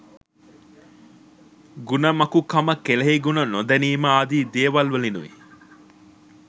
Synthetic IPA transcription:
ɡunɐmɐkukɐmɐkelɐɦiɡunɐnod̪ɐniːmaːɐd̪iːd̪eːʋɐlʋɐlinuʋḭ

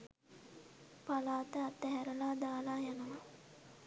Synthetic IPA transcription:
palaːt̪əat̪ːæɦæɾəlaːd̪aːlaːjanəʋa

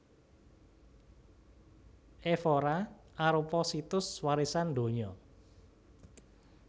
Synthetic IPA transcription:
ʔefoɾaaɾupɔsit̪ʊswaɾisand̪o̤ɲɔ

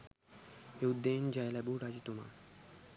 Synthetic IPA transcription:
eud̪ːend͡ʑajlabuʈad͡ʑit̪uma̰

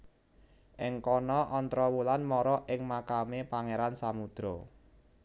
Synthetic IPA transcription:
ʔɪŋkɔnɔʔɔnt̪ɾɔwulanmɔɾɔʔɪŋmakamepaŋeɾansamud̪̥ɾɔ

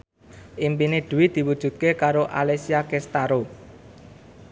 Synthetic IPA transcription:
ʔimpineɖ̥ṳwɪd̪̥i̤wud̥ʒ̥ṳd̪̚kekaɾoʔa̰lesiakest̪aɾo

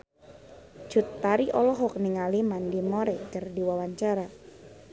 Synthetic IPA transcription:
d͡ʒ̥ut̪ːaɾiʔɔlɔɦɔk̚niŋalimandimoɾɛkərdiwawaɲt͡ʃaɾa

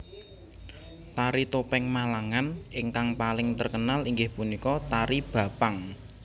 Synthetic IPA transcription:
t̪aɾit̪opɛŋmalaŋanɪŋkaŋpalɪŋt̪ərkənaliŋɡɪhpunikɔt̪aɾib̥ä̤paŋ

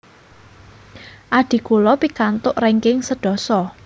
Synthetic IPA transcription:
ʔaɖ̥i̤kulɔpikant̪ʊʔreŋkɪŋsəɖ̥ɔ̤sɔ

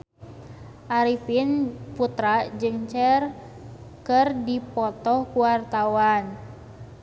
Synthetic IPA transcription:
ʔaɾipinput̪ɾad͡ʒɨŋt͡ʃɛr | kərdipɔt̪ɔhkuwart̪awan

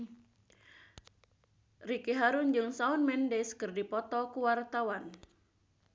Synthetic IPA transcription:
rikiɦaɾund͡ʒɨŋsaunmɛndɛskɨrdipɔt̪ɔkuwart̪awan

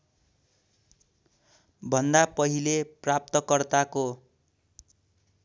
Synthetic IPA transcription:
bʱʌnd̪apʌɦileprap̚t̪ʌkʌrt̪ako

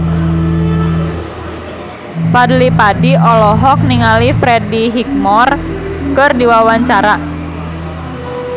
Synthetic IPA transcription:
fadlipadiʔɔlɔɦɔk̚niŋalifɾediɦik̚mɔrkɨrdiwawaɲt͡ʃaɾa

